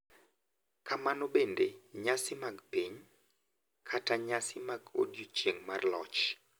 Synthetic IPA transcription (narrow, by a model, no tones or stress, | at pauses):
kamanɔbendeɲasɪmaɡpiɲ | kʰataɲasɪmaɡo̰djot͡ʃeŋmarlɔ̰t͡ʃ